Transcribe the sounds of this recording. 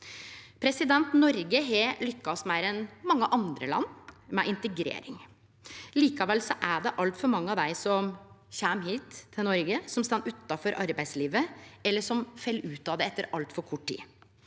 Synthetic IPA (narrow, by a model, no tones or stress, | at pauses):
pʰɾɛsɪd̪ɛnt̪nɔɾɡəɦɛlʏkːɑsmæɪɾɛnmɑŋːəʔɑnd̪ɾə̰lɑ̰nːmɛʔɪnt̪əɡɾḛːɾɪ̰ŋ | liːkɑʋɛlsɔʔæɖɛʔɑlt̪fɔɾmɑŋːəɑʋd̪æɪsɔmçæmɦiːt̪ʰːɪlnɔɾɡəsɔmst̪ɑnːʉt̪ːɑfɔɾʔɑɾbæɪsliːʋəɛlːəʂɔmfɛlːʉːt̪ɑd̪ɛɛt̪ːəɾɑlt̪fɔɾkʰɔʈʰːḭː